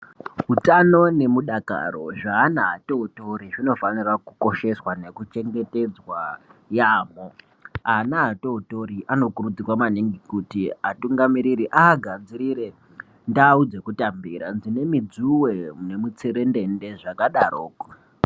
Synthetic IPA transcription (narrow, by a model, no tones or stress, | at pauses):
ɦutano̞ne̞muɗaka̰ɾo̞̰ʐaːnaato̞uto̞ɾiʐino̞fanirakuko̞ʃe̞swane̞kut͡ʃe̞ŋɡe̞te̞d͡zwajaːmo | anaːtouto̞ɾiʔano̞kurud͡zirwamaniŋɡikutiatuŋɡamiɾiɾiʔaːɡʱad͡ziɾiɾe̞ | ndaːud͡ze̞kutambiɾand͡zine̞mid͡zuwene̞mut͡seɾe̞nde̞nde̞ʐakaɗaɾoːko̥